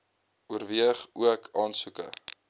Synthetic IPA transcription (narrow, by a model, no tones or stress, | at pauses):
uərviəχuəkʰɑːnsukə̰